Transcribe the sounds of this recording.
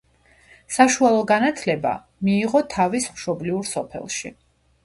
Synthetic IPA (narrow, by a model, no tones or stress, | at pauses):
saʃualˠɔɡanat̪ʰlɛba̰ | miːʁɔt̪ʰavismʃɔbliuɾsɔpʰɛ̰lˠʃi